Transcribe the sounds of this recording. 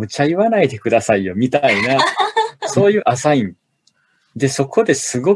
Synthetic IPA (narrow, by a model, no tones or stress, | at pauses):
mɯ̟t͡ɕajɯ̟βanaid̪e̞kɯ̟d̪asaijo̞mʲit̪aina | so̞ːjɯ̟ːʔasaĩn | d̪e̞so̞kʰo̞d̪e̞sɨɡo̞